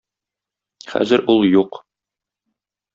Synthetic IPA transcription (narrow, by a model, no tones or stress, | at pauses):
χæ̰zɘɾulˠjuq